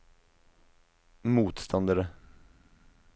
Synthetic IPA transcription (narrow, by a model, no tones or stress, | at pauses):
muːt̪st̪ʰɔnd̪əɾə